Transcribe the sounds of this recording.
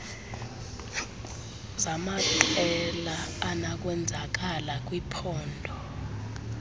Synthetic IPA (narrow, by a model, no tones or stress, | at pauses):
zamatɛlaːnak̬ʼwɛnd͡zʱak̬ʼalak̬ʼwipʰɔːndʱɔ